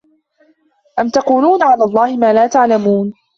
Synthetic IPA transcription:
ʔamt̪ɑquːluːnʕalaːlˤːɑːhɪmaːlaːt̪aʕlamuːn

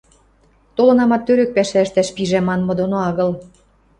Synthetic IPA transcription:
t̪olɤ̆nɑmɑt̪ːøɾø̆k̚pæʃæəʃt̪æʃpiʒæmɑnmɤ̆d̪onoɑɣɤ̆l

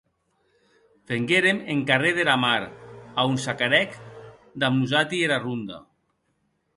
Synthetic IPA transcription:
feŋɡeɾemeŋkareðeɾamaɾaunsakaɾɛk | d̪amuzat̪ieɾarund̪a̰

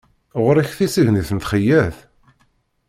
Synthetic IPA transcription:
ʁɾæçθisəʝniθənt̪χəjːæθ

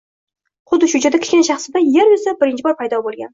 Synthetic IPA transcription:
χʊd̪ːɪʃʊd͡ʒad̪akʲɪ̥ʃkʲanʃɑχsɪd̪ajeɾwesabɪɾɪnt͡ʃʰɪbɒɾpʰajd̪ɒbolˠɡʲa̰n

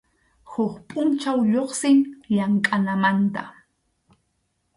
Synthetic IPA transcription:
hʊχpʼʊnt͡ʃawʎoχsɪŋʎaŋkʼanamant̪a̰

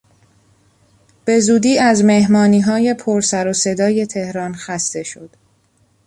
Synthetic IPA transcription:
b̥e̞zuːd̪iːæzme̞hmɒːniːɦɒːje̞pʰoɾsæɾose̞d̪ɒːje̞t̪ʰe̞hɾɒːnxæst̪e̞ʃo̞d̪̥

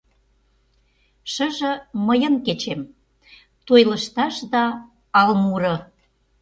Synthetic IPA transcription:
ʃə̆ʒə̆məjə̆nket͡ɕem | t̪ojlə̆ʃt̪ɑʃd̪ɑː | lmuɾɤ̆

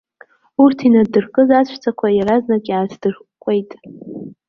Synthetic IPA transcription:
urtʰinadɨrkʼɨzat͡ɕʷʰt͡sʰakʷʰajaɾaznakʼaːt͡sʰd̥ɨr | kʷʼejtʼ

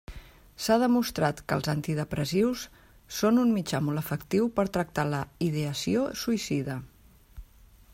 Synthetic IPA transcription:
sað̞əmust̪ɾat̪kə̰lˠzant̪iðəpɾəziwsː | onunmid͡ʒamolˠəfəkt̪iwpəɾt̪ɾək̚t̪aləiðeəsiosuisiðə

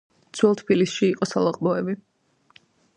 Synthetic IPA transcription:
t̪sʰwɛlˠt̪ʰpilisʃiːqʼɔsalˠaqʼmɔɛbi

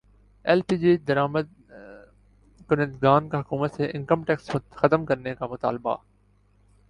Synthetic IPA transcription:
ɛːlpiːd͡ʒiːd̪ɐɾaːməd̪̚ | kʊnə̃nd̪ɡaːnkeɦʊkuːmət̪seʔɪ̃ŋkəmʈɛksxɐt̪əmkɐɾnekamʊt̪a̰ːlba̰

